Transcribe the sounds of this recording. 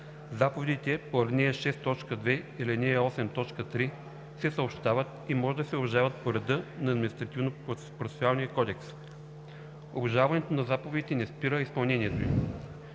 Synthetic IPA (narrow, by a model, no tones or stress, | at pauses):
zapovɛd̪it̪ɛpoɐɾnɛʃɛst̪ɔt͡ʃkəd̪vɛilinɛɔsɛmt̪ɔt͡ʃkət̪ɾi | sɛsəopʃt̪avət̪imɔʒɛd̪ɐsɛobʒavət̪̚poɾɐd̪ɤnɐːd̪mʲinist̪ɾɐt̪ivno | pɾofɛ̥sʲalˠnijəkɔd̪ɛks | o̰bɐʒavɐnɛt̪onɐzapovɛd̪it̪ɛnɛspiɾəispɐlˠnɛniɛt̪oi